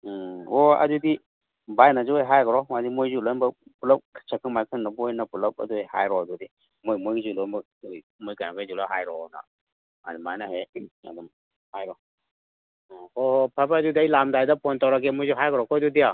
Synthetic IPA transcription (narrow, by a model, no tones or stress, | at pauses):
ɔa̰dudi | bajnazuajɦajɡɔɾɔmadimojzulɔnbapulap̚t͡ʃʰakʰɯŋmajkʰɯŋnabɔjnapulap̚a̰dujha̰jɾɔdudi | mojmojzulɔm | j | mojɡanabazulaɦajɾɔna̰ | a̰dumajnaɦea̰dɔm | hajɾɔ | ɔhpʰabadudiajlamdajdapɔntawɾaɡemojzuɦajɡɔɾɔkɔdudia